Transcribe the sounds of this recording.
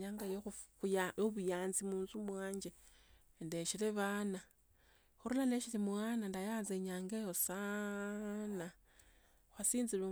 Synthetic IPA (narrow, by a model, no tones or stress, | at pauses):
ɲaŋɡajo | joβujaːnzimuːnzumwaːɲd͡ʒendeʃileβana | xuɾulaneʃilimwaːnandajaːnzeɲaːŋɡejosa | na | xwasiːnzilu